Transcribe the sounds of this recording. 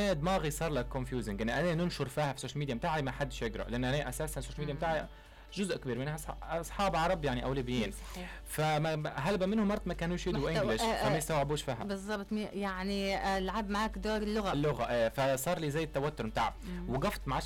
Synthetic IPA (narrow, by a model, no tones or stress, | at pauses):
eːd̪mɑːɣisˤɑːɾˤlækːʊnfjuːzɪŋɡʔɪnːʔanenɪnʃʊɾfiːhæfi̥soːʃalmid̪jbɪt̪aːʕlimaħad̪ːʃɪɡɾˤɑ̰ʔlʔanːʔæneʔæsaːsansoːʃælmid̪jːmt̪aːʕa | ʒʊzʔkbiːɾmɪnhæˤsˤħɑːbʕɑɾˤɑbjaʕniʔæwlubɪjːiːn | famaɦalbæmɪnhʊmːɑɾˤːɑt̪mækæːnuːʃɪdwʔɪɡlɪʃfamæjɪst̪awʕɪbuːʃfiːɦæbɨzˤːɑbt̪ˤmijaʕnilʕabmaʕaːkd̪oːɾɪlːʊɣalːʊɣæʔæːfasˤɑːɾˤliːzæjːɪt̪ːawæt̪ːʊɾmɪt̪aːʕabwɪɡɑft̪ˤmaʕa